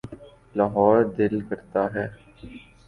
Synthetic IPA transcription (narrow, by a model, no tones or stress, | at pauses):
laɦɔːɾd̪ɪlkəɾt̪aɦɛː